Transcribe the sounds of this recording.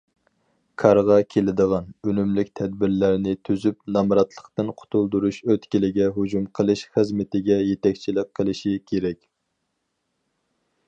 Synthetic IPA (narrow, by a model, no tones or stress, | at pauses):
kʰɑɾʁɑkʲʰelɪd̪əʁɑnønymlykʲt̪ʰɛd̪̚bɪɾlæɾnɪt̪ʰyzypnɑmɾɑt̪lˠəqt̪ɨnqʰʊ̥t̪ʰulˠd̪uɾuʃøt̪kʲilɪɡʲɛɦud͡ʒumqʰəlˠɨʃχəzmɪt̪ɪɡʲɛjet̪ɛkʲt͡ʃʰilɪk̚ʲqʰəlˠɨʃikʲʰeɾɛkʲ